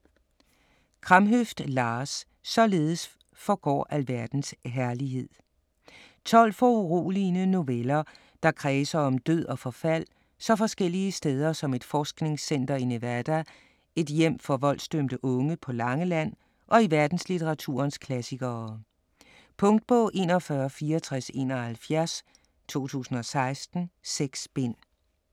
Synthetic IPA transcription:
kʰʁɑmɦøfd̥lɑ̈ːsː | ɒ̽le̝ːð̞ˠəs | fɒɡ̥ɒ̰ːʔælʋæɐd̥n̩sɦæɐliɦe̝ð̰ˠ | t͡sʰɒ̽l̰fɒuʁo̝̰ːlinəno̝ʋelɐ | d̥ɑ̈kʰʁɛːsɐɒ̽md̥øð̰ˠɒ̽fɒ̽fæl̰ | sɒ̽fɒ̽sɡ̥el̰iəsd̥eːð̞ˠɐsɒ̽me̝d̥fɒːsɡ̥ne̝ŋsen̰d̥ɐineʋæɐd̥æ | e̝d̥jem̰fɒ̽ʋɒ̽l̰sd̥ømd̥əʔɔ̽ŋəpʰɒ̽lɑ̈ŋəlæn̰ | ʔɒ̽iʋæɐd̥n̩slit͡sʰeʁɑ̈t͡sʰṵɐnskʰlæsiɡ̥ɐ | pʰɔ̽ŋd̥̚b̥ɔ̽ːʔe̝̰ːnɒfɶːɐfiːɒt͡sʰʁase̝̰ːnɒhælfjæɐs | t͡sʰo̝̰ːt͡sʰṵːsn̩ɒ̽sɑ̈ɪsd̥n̩seɡ̥sb̥en̰

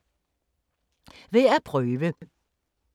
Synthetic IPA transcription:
ʋeːæːpʰʁœʉʋə

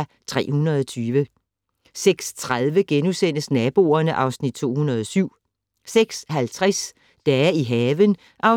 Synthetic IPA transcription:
t͡sʰʁɛ̰ːhunɐðˠɒt͡sʰyːʋə | seɡ̥st͡sʰʁaðˠʋəɡ̥enusen̰əsnɛːb̥o̝̰ːɐnəʔɑ̈ʊsnid̥̚t͡sʰo̝̰ːhunɐð̞ˠɒsyʊ̰ | seɡ̥shælt͡sʰʁas | d̥ææɐiɦɛːʋən | ʔɑ̈ʊ

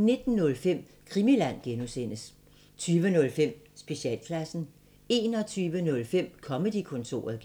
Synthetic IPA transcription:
ne̝d̥n̩nɔ̽lfem̰ | kʰʁimilæn̰ɡ̥enusen̰əs | t͡sʰyːʋənɔ̽lfem̰ | sb̥e̝ɕiɛ̰ːlkʰlæsn̩ | e̝ːnɒ̽t͡sʰyːʋənɔ̽lfem̰kʰɒ̽məd̥ikʰɔ̽nt͡sʰo̝̰ːɐð̩ˠ

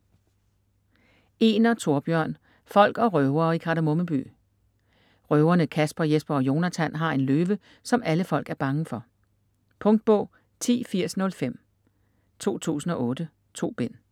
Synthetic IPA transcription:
e̝ːnɐt͡sʰo̝ɐb̥jœɐ̰n | fɒ̽l̰ɡ̥ɒ̽ʁœʊɐːikʰɑ̈ɾæmo̽məb̥y̰ː | ʁœʊɐnəkʰæsb̥ɐjesb̥ɐɒ̽jo̝ːnæt͡sʰænɦɑ̈e̝nløːʋə | sɒ̽mæləfɒ̽l̰ɡ̥æɐb̥ɑ̈ŋəfɒ̽ | pʰɔ̽ŋd̥̚b̥ɔ̽ʊ̰ | t͡sʰḭːfiɐ̰snɔ̽lfem̰ | t͡sʰo̝̰ːt͡sʰṵːsn̩ɒ̽ʔɔ̽ːd̥ə | t͡sʰo̝̰ːb̥en̰

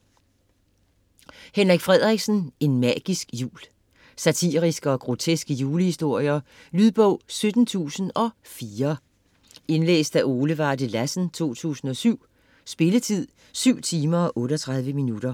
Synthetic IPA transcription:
henʁɐɡ̥fʁɛðˠʁeɡ̥sn̩e̝nmɑːɡ̥isɡ̥jṵːl | sæt͡sʰiːʁisɡ̥əɒ̽ɡ̥ʁo̝t͡sʰesɡ̥əjuːləhisd̥o̝ɐ̰jɐ | lyðˠb̥ɔʊ̰sød̥n̩t͡sʰṵːsn̩ʔɒ̽ | fiːɐ | e̝nlḛːsd̥æʔo̝ːləʋɑ̈ːd̥əlæsn̩t͡sʰo̝̰ːt͡sʰṵːsn̩ɒ̽syʊ̰ | sb̥e̝lət͡sʰið̞̰ˠ | syʊ̰t͡sʰiːmɐɒ̽ʔɔ̽ːɾəɒ̽t͡sʰʁɑ̈ð̞ˠʋəminuɾ̥ɐ

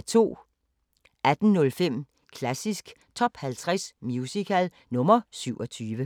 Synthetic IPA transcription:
t͡sʰo̝̰ː | æd̥n̩nɔ̽lfem̰ | kʰlæsisɡ̥ | t͡sʰɒ̽b̥hælt͡sʰʁasmjusikʰæl | nɔ̽mɐsyʊɒ̽t͡sʰyːʋə

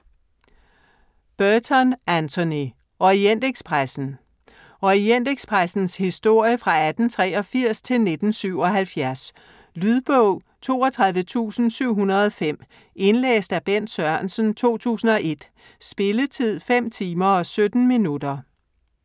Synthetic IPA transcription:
b̥ɶt͡sʰɒnʔænt͡sʰo̝ni | ɒend̥eɡ̥spʰʁasn̩ | ɒend̥eɡ̥spʰʁasn̩shisd̥o̝ɐ̰jəfʁɑ̈æd̥n̩t͡sʰʁɛ̰ːɒ̽fiɐ̰st͡sʰe̝lne̝d̥n̩syʊ̰ɒ̽ɦælfjæɐs | lyðˠb̥ɔʊ̰ | t͡sʰo̝̰ːɒt͡sʰʁɑ̈ðˠʋət͡sʰṵːsn̩syʊ̰ɦunɐð̞ˠɒfem̰ | e̝nlḛːsd̥æb̥en̰d̥sɶɐnsən̩t͡sʰo̝̰ːt͡sʰṵːsn̩ɒ̽ʔe̝d̥ | sb̥e̝lət͡sʰið̞̰ˠfem̰t͡sʰiːmɐɒ̽sød̥n̩minud̥ɐ

